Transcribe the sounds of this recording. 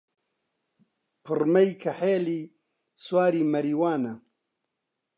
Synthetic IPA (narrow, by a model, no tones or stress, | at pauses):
pʰɨrmɐjkʰɐħeːliː | swaːɾiːmɐɾiːwaːnɐ